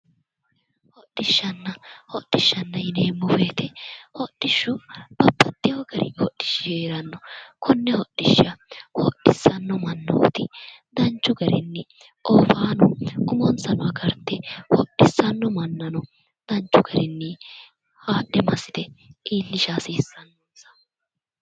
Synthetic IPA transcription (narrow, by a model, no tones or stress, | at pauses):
hɔɗːɪʃːɐnːɐhɔɗːɪʃːɐnːɐjɪneːmːʊfeːt̪ɛhɔɗːɪʃːʊb̥ɐpːɐt̪ːɪjoːɡɐɾɪ̰hɔɗːɪ̥ʃːɪjeːɾɐnːɔkʰɔnːɛhɔɗːɪʃːɐhɔɗɪsːɐnːɔmɐnːɐɔ̰t̪ɪd̪ɐnt͡ʃːʊɡɐɾɪ̰nːɪ | ʔoːfaːnɔʊmɔnsɐnɔɐɡɐɾt̪ːɛhɔɗːɪsːɐnːɔmɐnːɐnɔ | d̪ɐnt͡ʃːʊɡɐɾɛnːɪ | haːɗːɛmɐsːɪd̪ɛʔiːlːɪʃaːsiːsːɐnːosɐ̥